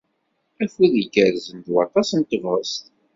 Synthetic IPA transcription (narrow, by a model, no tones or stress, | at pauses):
æfiðəɡəɾzənd̪wɑ̰t̪ˤɑsənt̪ːəvʁəst̪